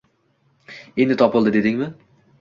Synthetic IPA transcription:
end̪ɪt̪ʰɒpɨlˠd̪ɪd̪e̞d̪ɪŋʲmɪ

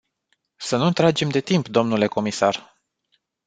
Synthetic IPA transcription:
sənut̪ɾad͡ʒe̞md̪e̞t̪impd̪o̞mnule̞ko̞misar

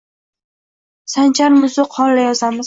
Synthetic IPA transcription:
sant͡ʃʰaɾmʊzɪqʰɒlːajɒsamɪz

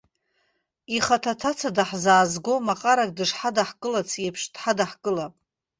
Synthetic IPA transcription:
iχatʰatʰat͡sʰadaħzaːzɡʷomaqʼaɾakʼdɨʂħadaħkʼɨlat͡sʰepʰʂd̥ħadaħkʼɨlapʼ

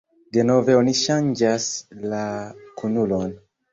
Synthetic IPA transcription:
deno̞ve̞oniʃand͡ʒaslakunulo̞n

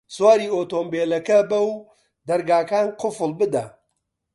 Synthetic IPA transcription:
swaːɾiːoːt̪oːmbeːlɐkɐbɐw | d̪ɐɾɡaːkaːnqʰʊfɨlˠbɨd̪ɐ

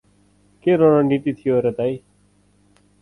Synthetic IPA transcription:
keːɾoːnãːniːʈ̪iːt̪ʰɪjoːɾət̪aːiː

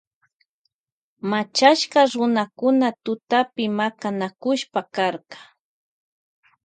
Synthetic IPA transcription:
mat͡ʃaʃkaɾʊnakʊnat̪ʊt̪apɪmakanakʊʃpakaɾkɑ̥

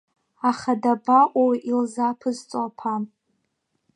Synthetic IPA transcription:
aχadabaʔʷʼawiʔilzapʰɨzt͡sʷʼapʰa

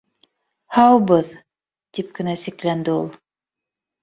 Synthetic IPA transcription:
hɑwβɤð | t̪ip̚kɘ̆næsiklænd̪ɘulˠ

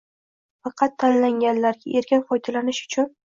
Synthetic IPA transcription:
fɑqʰɑt̪ʰːanlaŋʲanlaɾɡʲaʔe̞ɾkʲɪnqɒjt̪ʰalanɪʃʊ̥t͡ʃʰʊn

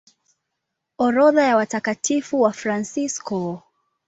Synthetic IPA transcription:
ɔɾɔðajawatakatifuwafɾansiskɔ

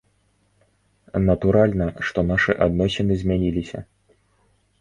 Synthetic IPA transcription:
nɐt̪uɾalʲnɐʂt̪ɔnaʂɨʔad̪nɔsʲɛnɨzʲmʲanʲilʲisʲɐ̰

